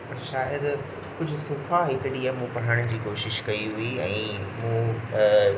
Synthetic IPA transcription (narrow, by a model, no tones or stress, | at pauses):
pɐɾʃaːjəd̪ | kʊd͡ʑʱʊsʊfaɦɪkɪɽiaːmũpɐɽ̤aːɽ̃ʊ̆d͡ʑiːkoːʃɪʃkɐiɦuiɛ̃ːmũː